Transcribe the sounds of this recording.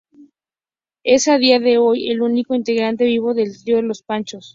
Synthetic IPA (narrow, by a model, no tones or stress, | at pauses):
e̞saðiaðe̞o̞jelunikoint̪e̞ɣɾant̪e̞βiβo̞ðe̞lt̪ɾioðelospant͡ʃo̞s